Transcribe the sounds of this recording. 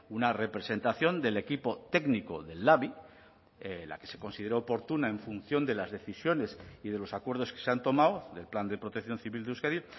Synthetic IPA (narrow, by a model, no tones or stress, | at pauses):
unare̞pɾe̞se̞nt̪aθjo̞nd̪e̞le̞kipo̞t̪e̞ɡniko̞ðe̞lːaβi | la̰ke̞se̞ko̞nsiðe̞ɾoːpo̞ɾt̪unae̞ɱfun̟θjo̞nd̪e̞lazðe̞θisjo̞ne̞sið̞e̞lo̞sakwe̞ɾð̞o̞skese̞ant̪o̞mawðe̞lpland̪e̞pɾo̞t̪ekθjo̞nθiβild̪euskaɾi